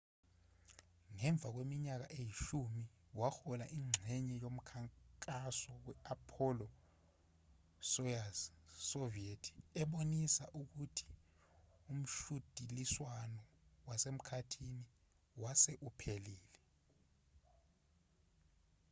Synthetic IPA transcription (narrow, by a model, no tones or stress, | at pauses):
ŋɛɱb̪vʱak̬wemiɲak̬aʔejiʃumi | waxɔlaʔiŋ͡ǁʱɛɲɛjom̩kʰaŋkʼasɔwɛapʰɔlɔ | sɔasovietʰi̥ɛɓonisaʔuk̬utʰi̥ | um̩ʃud̥ʱiliswanɔ | wasem̩kʰatʰini | wasɛʔupʰeliːlɛ